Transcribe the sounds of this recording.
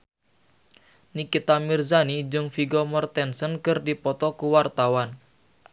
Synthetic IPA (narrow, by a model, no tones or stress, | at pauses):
nikit̪amirzanid͡ʒʊŋfiɡɔmɔrt̪ɛnsənkɨrdipɔt̪ɔkuwart̪awan